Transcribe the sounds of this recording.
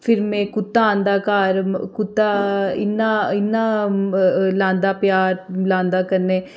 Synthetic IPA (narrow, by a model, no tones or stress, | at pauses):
fʰɪɾmẽkʊt̪ːaãːnd̪aːkaːɾkʊt̪ːaɪnːaɪnːaː | lãːnd̪aːpjaːɾlãːnd̪aːkəɾneː